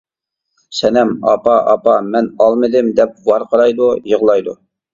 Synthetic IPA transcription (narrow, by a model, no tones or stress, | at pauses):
sɛnɛmɑ̰pɑʔɑpɑmɛnɑlˠmɨd̪ɪmd̪ɛp̚wɑɾqʰɑɾɑjd̪ujəʁlˠɑjd̪u